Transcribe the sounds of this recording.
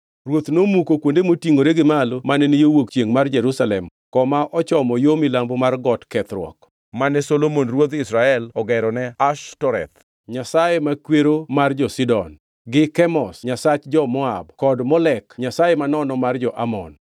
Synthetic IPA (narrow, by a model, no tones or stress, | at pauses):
rwot̪nomukokwondemotiŋoɾeɡɪmalomanɛnijowok̚t͡ʃjeŋmard͡ʒɛɾusalɛmkɔmaʔɔt͡ʃɔmɔjomɪlambomarɡɔtkɛt̪ɾwɔ̰k | manɛsolomonrwot̪isɾaɛlɔɡɛɾɔnɛaʃtɔɾɛt̪̚ | ɲasajemakweɾomard͡ʒɔsidɔn | ɡɪkɛmɔsɲasat͡ʃd͡ʒɔmɔa̰bkɔdmɔlɛkɲasajemanɔnɔmard͡ʒɔʔamɔ̰n